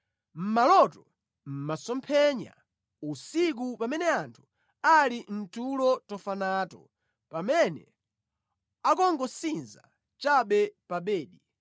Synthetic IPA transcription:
m̩malɔtɔ | m̩masɔmpʰɛɲa̰ | usik̬upamɛnɛantʰu̥ | alin̩tulɔtɔfanaːtɔ̰ | pamɛnɛ̰ | akɔŋɡɔsinza̰ | t͡ʃaɓɛpaɓɛːɗi

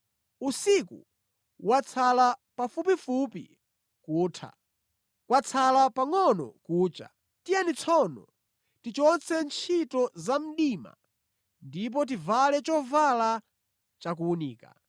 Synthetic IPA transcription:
usiku | wat͡sʰalapafupifupḭ | kuːtʰa̰ | kwat͡sʰalapaŋɔnɔ̰kuːt͡ʃa̰ | tijanit͡sʰɔnɔ̰ | tit͡ʃɔnt͡sɛnt͡ʃʰitɔzam̩ɗima̰ | ndip̬ɔt̬ivalɛt͡ʃɔvala | t͡ʃakuuniːka̰

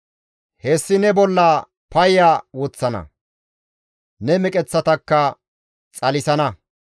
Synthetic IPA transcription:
hɛsːɪnɛbɔlːɐ | pɐjaːwɔt͡sːɐnɐ̰ | nɛmɛkʼɛt͡sːɐt̪ɐkːɐ | t͡sʼɐlɪsɐnɐ

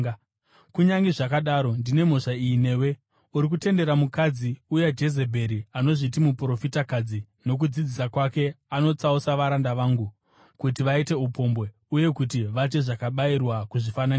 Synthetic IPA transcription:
kuɲaŋɡiʐakaɗaɾo̞ndine̞mo̞ʂaiːne̞ːwe̞ | uɾikute̞nde̞ɾamukad͡ziujad͡ʒe̞ze̞bʱe̞ɾiano̞ʐitimupro̞fitakad͡zi | no̞k̬ud͡zid͡zisakwake̞ | ano̞t͡sausaʋaɾandaʋaːŋɡu | kutiʋaite̞upo̞mbwe̞ | uje̞kutiʋat͡ʃe̞ʐakaɓairwakuʐifanani

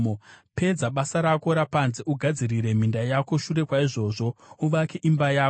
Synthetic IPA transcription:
ope̞d͡zaɓasaɾako̞ɾapanzeʔuɡʱad͡ziriɾe̞m̤indajako̞ʃure̞kwaiʐo̞ːʐo̞uʋakeʔimbajaː

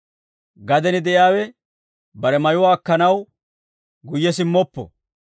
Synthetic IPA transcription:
ɡɐd̪ɛnɪd̪ɛʔjaːwɛ | bɐɾɛmɐjʊwaːkːɐnɐw | ɡʊjːɛsɪmːɔpːɔ̰

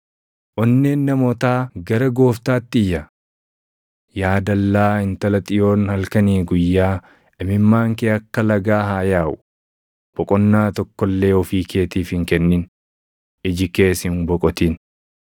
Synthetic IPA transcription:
ʔɔnːeːnːɐmɔt̪aːɡɐɾɐɡo̞ːft̪aːt̪ːɪɪjːɐ | jaːd̪ɐlːaːhɪnt̪ɐlɐt̪ʼɪjo̞ːnhɐlkɐniːɡʊjːaː | ʔɪmɪmːaːŋkeːɐkːɐlɐɡaːɦaːjaːʔʊ | b̥ɔkʼɔnːaːt̪ɔkːɔlːe̞ːɔfiːkʰe̞ːt̪iːfhɪŋkɛnːɪn | ɪd͡ʒɪke̞ːsɪnbɔkʼɔt̪iːn

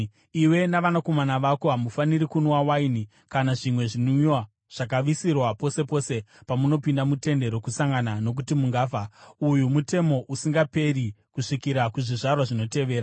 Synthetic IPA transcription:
iwe̞naʋanako̞manaʋako̞ɦamufaniɾikunwawaini | kanaʐimwe̞ʐinuiwa | ʐ̥ak̬aʋisirwapo̞se̞po̞ːse̞pamuno̞pindamute̞nde̞ɾo̞kusaŋɡanano̞k̬utimuŋɡaːfaujumute̞mo̞ʔusiŋɡape̞rikuʂikiɾakuʐiʐarwaʐino̞te̞ʋe̞ːɾa

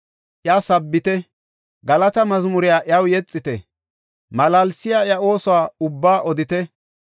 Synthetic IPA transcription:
ʔjaːsɐbːɪt̪ɛ | ɡɐlɐt̪ɐmɐzmʊɾɪjaːʔɪjawjɛt͡sʼːɪt̪ɛ | mɐlaːlsɪjaːjɐo̞ːsɔwaːʊbːaːʔɔd̪ɪt̪ɛ

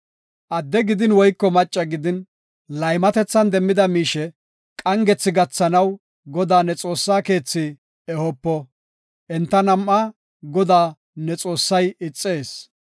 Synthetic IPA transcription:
ʔɐd̪ːɛɡɪd̪ɪnwɔjkːɔmɐt͡ʃʼːɐɡɪd̪ɪn | lɐjmɐt̪ɛt͡sːɐnd̪ɛmːɪd̪ɐmiːʃɛ | kʼɐŋɡɛt͡sːɪɡɐt͡sːɐnɐw | ɡɔd̪aːnɛt͡sʼo̞ːsːaːke̞ːt͡sːɪ | ɛhɔpːɔ | ʔɛnt̪ːɐnɐmːaː | ɡɔd̪aː | nɛt͡sʼo̞ːsːɐjɪt͡sʼːe̞ːs

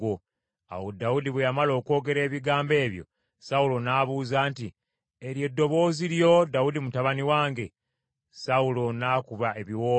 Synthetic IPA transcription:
o | a̰wodaudiβwejamalo̞ːko̞ːɡe̞ɾe̞ːβiɡaːmbe̞ːβjo̞̰ | saulo̞naːβuːzaːnti | eɾje̞dːo̞βo̞ːziɾjo̞daudimutaβaniwaːŋɡe̞ | saulo̞naːkuβae̞βiwoː

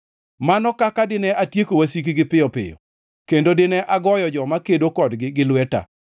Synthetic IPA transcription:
manɔkakadɪnɛʔatjekowasik̬iɡɪpɪjɔpɪ̰jɔ̰ | kendodɪnɛʔaɡɔjɔd͡ʒɔmakedokɔdɡɪɡɪlwɛta̰

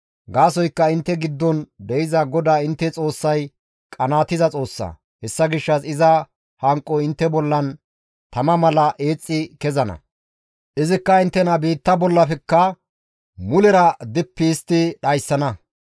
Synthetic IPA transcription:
ɡaːs̬ɔjkːɐɪnt̪ːɛɡɪd̪ːɔnd̪ɛɪzɐɡɔd̪aːɪnt̪ːɛt͡sʼo̞ːsːɐj | kʼɐnaːt̪ɪzɐt͡sʼo̞ːsːɐ̰ | hɛsːɐɡɪʃːɐsɪzɐ | hɐŋkʼːɔɪnt̪ːɛbɔlːɐn | t̪ɐmɐmɐlɐʔe̞ːt͡sʼːɪkɛzɐnɐ̰ | ʔɪzɪkːɐɪnt̪ːɛnɐbiːt̪ːɐbɔlːɐfɛkːɐ | mʊlɛɾɐd̪ɪpːɪːst̪ːɪɗɐjsːɐnɐ

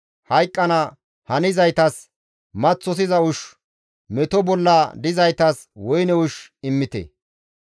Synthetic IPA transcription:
hɐjkʼːɐnɐ | hɐnɪzɐjt̪ɐs | mɐt͡sːɔs̬ɪzɐʊʃ | mɛt̪ɔbɔlːɐd̪ɪzɐjt̪ɐs | wɔjnɛʊʃɪmːɪt̪ɛ̰

